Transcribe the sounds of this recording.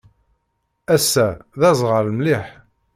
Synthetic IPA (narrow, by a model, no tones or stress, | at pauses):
æsːæðæzˤʁəɾlmliħ